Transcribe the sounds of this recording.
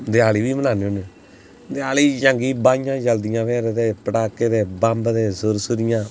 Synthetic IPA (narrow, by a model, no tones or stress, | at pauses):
d̪ɪaːliːʋiːmənaːneone | d̪ɪaːliːd͡ʒəŋɡiːbaːɪjãːd͡ʒəld̪ɪjãːʋɛːɾd̪eːpəʈaːkːeːd̪eːbãmbd̪eːsʊɾsʊɾɪjãː